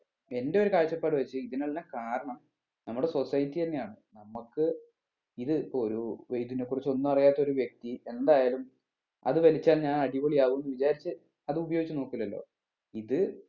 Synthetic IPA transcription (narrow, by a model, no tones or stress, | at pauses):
e̞nde̞o̞ɾukaːɻɕɐpːaːɽɨʋɐt͡ɕːɨiðinaːɭinːakaːɾɐɳɐm | nɐmːuɽe̞so̞sɐjtːijenːejaːɳɨnɐmːukːɨ | iðɨipːooɾuejit̪inekːurit͡ɕːo̞nːumɐrijaːt̪ːɐo̞ɾuʋje̞k̚t̪ie̞nd̪aːjaːlum | ɐ̰ðɨʋɐlit͡ɕːaːlɲaːnɐɽiʋoːɭijaːʋuʋenːuʋit͡ɕaːɾit͡ɕːɨ | ɐðɨubɐjoɡit͡ɕːɨno̞ːkːilːɐlːo̞̰ː | iðɨ